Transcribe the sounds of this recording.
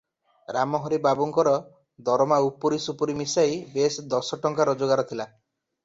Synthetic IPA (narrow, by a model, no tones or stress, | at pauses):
ɾamɔɦɔɾibabuŋkɔɾɔ | d̪ɔɾɔmaupuɾisupuɾimisajbesd̪ɔsɔʈɔŋkaɾɔd͡ʒoɡaɾɔt̪ʰila